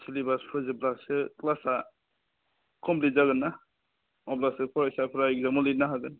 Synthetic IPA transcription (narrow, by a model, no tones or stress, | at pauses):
sʰilibaspʰɾɯzeblasɯklasa | kʰɔmplizaɡɯnːa | ɔblasɯpʰɔɾasapʰɾaɡ̚zamɔlinaɦaɡɯn